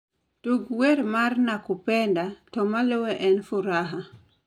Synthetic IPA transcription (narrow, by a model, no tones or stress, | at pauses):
toɡweɾmarnakʊpɛndatɔmalowɛʔɛnfuɾaɦa